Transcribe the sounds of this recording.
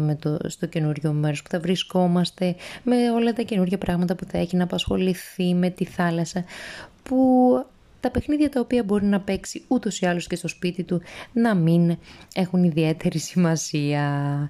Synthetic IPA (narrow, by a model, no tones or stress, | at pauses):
met̪ost̪o̞ce̞nuɾʝo̞meɾo̞spu̥θɐvɾisko̞mɐst̪e̞me̞o̞lɐt̪ɐce̞nuɾʝɐpɾɐɣmɐt̪ɐpuθɐe̞çinɐːpɐsxo̞liθime̞t̪iθɐlɐsɐpu | t̪ɐpe̞xniðʝɐt̪ɐopiɐbo̞ɾinɐpe̞ksiut̪o̞siɐlo̞sce̞st̪o̞spit̪it̪unɐmine̞xuniðie̞t̪e̞ɾisimɐsiɐ